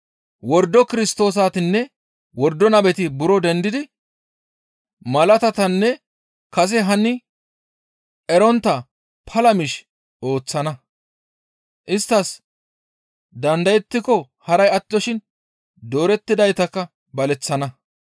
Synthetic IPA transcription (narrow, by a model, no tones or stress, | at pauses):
wɔɾd̪ːɔkɪɾɪst̪o̞ːs̬aːt̪ɪnːɛ | wɔɾd̪ːɔnɐbɛt̪ɪbʊɾɔd̪ɛnd̪ɪd̪ɪ | mɐlɐt̪ɐt̪ɐnːɛ | kɐs̬ɛɦɐnːɪ | ɛɾɔnt̪ːɐ | pʰɐlɐmɪʃ | o̞ːt͡sːɐnɐ | ʔɪst̪ːɐs | d̪ɐnd̪ɐjɛt̪ːɪkɔ | hɐɾɐjɐt̪ːɪɔʃɪn | d̪o̞ːɾɛt̪ːɪd̪ɐjt̪ɐkːɐ | bɐlɛt͡sːɐnɐ